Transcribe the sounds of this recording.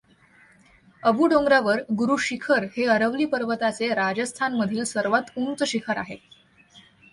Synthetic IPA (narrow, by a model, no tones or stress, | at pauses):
əbuːɖoŋɡɾaʋəɾɡuɾuːɕikʰəɾheəɾəʋliːpəɾʋət̪at͡seɾad͡zəst̪ʰanməd̪ʱiːlsəɾʋat̪unt͡səɕikʰəɾa̰ɦe